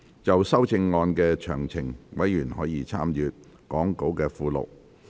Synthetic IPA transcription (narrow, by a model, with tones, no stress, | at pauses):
t͡sɐ˨wsɐ˥wt͡sɪ˧ŋːɔː˧nkɛː˧t͡ʃʰœː˨˩ŋt͡sʰɪ˨˩ŋwɐ˨˥jjyː˨˩nhɔː˨˥jiː˧t͡sʰa̰ː˥mjyː˨˧t̚ | kɔː˨˥ŋko˨˥wkɛː˧fuː˧lo̰˨˩w̚